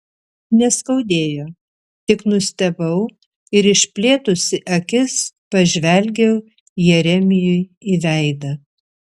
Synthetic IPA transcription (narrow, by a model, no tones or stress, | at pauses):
nʲɛskɐʊd̪ʲeːjoː | t̪ʲɪknʊsʲt̪ʲɛbɐʊ | ɪɾɪʃʲpʲlʲeːt̪ʊsʲɪʔɐkʲɪspɐʒʲʋʲɛlʲɡʲɛʊ | jɛɾʲɛmʲɪjʊɪiʋʲɛɪd̪ɐ